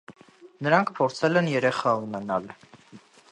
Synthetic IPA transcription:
nəɾɑŋkʰpʰɔɾt͡sʰɛlɛnjɛɾɛχɑunɛnɑl

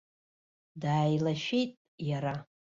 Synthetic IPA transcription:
daːjlaʃejtʼ | jaɾa

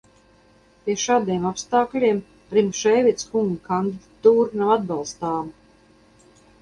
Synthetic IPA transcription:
pʲiɛʃaːd̪iɛmapst̪aːklʲiɛm | ɾimʃɛjvʲit̪skuŋɡəkand̪id̪at̪uːɾnavad̪̚bɑlˠst̪aːm

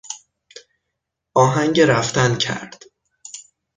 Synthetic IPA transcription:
ʔɒːɦæŋɟeɾæft̪æncʰæ̰ɾd̪̥

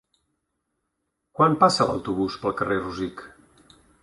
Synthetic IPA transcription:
kwampasələ̰wt̪uβ̞uspəlˠkəreruzik

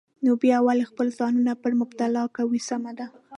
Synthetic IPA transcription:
nobjɑawalxpəlzɑnunapəɾmʊbt̪alɑkawisamad̪a

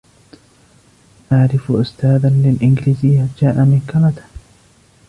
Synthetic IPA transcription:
ʔaʕɾɪfʔʊst̪aːðalɪlʔɪnɡɪliːzɪjːad͡ʒaːʔamɪkalat̪ḁ

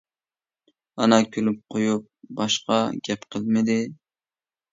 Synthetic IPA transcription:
ɑnɑkʲʰølyp̚qʰojup̚bɑʃqɑɡʲɛpqʰəlˠmɪd̪ɪ

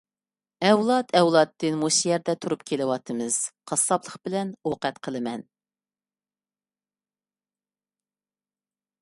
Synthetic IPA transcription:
ɛwlˠɑt̪ʰɛwlˠɑt̪ːɨnmusijɛɾd̪ɛt̪ʰuɾupkʲʰelɪwɑt̪ʰɨmɨz̥qʰɑsɑblˠəχbɪlɛnoqɛt̪qʰəlˠɨmɛn

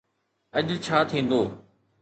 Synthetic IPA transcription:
ɐʄt͡ɕʰaːt̪ʰĩːn̆d̪oː

